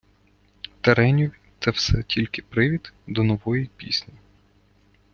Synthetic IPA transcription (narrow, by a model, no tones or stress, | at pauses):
t̪eɾɛnʲuʋʲt̪sɛwsɛtʲʰilʲkɪ̥pɾɪʋʲid̪d̪ɔnɔʋɔjipʲḭsʲnʲi